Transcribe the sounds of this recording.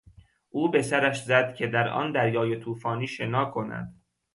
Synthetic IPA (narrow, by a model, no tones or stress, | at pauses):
ʔuːbe̞sæɾæʃzæd̪̥cʲʰe̞d̪æɾʔɒ̰ːnd̪æɾjɒːje̞t̪ʰuːfɒːniːʃenɒːkʰo̞næ̰d̪̥